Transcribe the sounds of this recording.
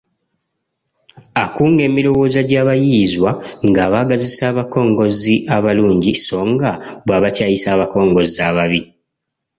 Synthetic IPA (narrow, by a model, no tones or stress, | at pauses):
akuːŋɡe̞ːmilo̞wo̞ːzaɟaːβajizwaŋɡaːβaːɡazisaːβako̞ːŋɡo̞ziʔaβaluːɲɟiso̞ːŋɡaβwaːβacaːjisaːβako̞ːŋɡo̞zaβaβi